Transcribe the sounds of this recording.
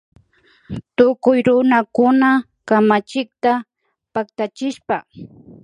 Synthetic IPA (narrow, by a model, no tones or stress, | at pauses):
t̪ʊkʊjɾʊnakʊna | kamat͡ʃɪk̚t̪a | pakt̪at͡ʃɪʃpa